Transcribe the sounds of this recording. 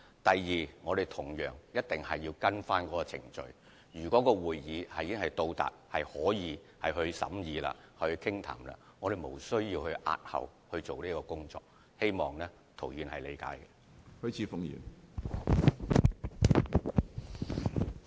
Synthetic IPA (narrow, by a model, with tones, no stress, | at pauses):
t̪ɐ˨jːiː˨˩ŋɔː˨˧d̪e˨˩jt̪ʰʊ˨˩ŋjœː˨˩ŋjɐ˥t̚t̪ɪ˨˩ŋhɐ˨jːiː˧wkɐ˥nfaː˥nkɔː˨˧˥kɔː˧t͡sʰɪ̰˨˩ŋt͡ʃɵ̰˧ɥ | jyː˨˩kɔː˨˥kɔː˧wuː˨jjiː˨˧hɐ˨jkɪ˥ŋhɐ˨jt̪o˧wt̪a̰ː˨˩t̚hɐ˨jhɔː˨˥jiː˨˧ | hɐ˨jɦɵ˧ɥsɐ̰˨˥mjiː˨˧la̰ː˧hɐ˨˩hɵ˧kʰɪ˥ŋt̪ʰa̰ː˨˩mla̰ː˧ŋɔː˨˧d̪e˨jmo˨˩wsɵ˥ɥjiː˧whɵ˧ɥʔa̰ː˧t̚hɐ̰˨whɵ˧ɥt͡so˨wniː˥kɔː˧kʊ˥ŋt͡sɔ̰ː˨˧k̚ | he˥jmɔː˨˩ŋnɛ˥ | t̪ʰo˨˩wjyː˨˧nhɐ˨jle˨˧jka̰ː˨˥jkɛ˧ | hɵ˥ɥt͡sʰiː˨˥fʊ˨˧ŋjḭː˨˩n